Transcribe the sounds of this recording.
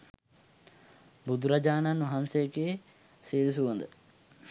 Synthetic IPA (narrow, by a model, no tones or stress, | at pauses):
bud̪ʱuɾad͡ʑaːnanʋɐɦansejəkee | seːlis̬uʋənd̪ə